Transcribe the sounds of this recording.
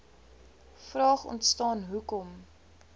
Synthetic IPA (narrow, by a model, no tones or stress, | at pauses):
frɑːχɔ̰ntstɑːnɦukɔm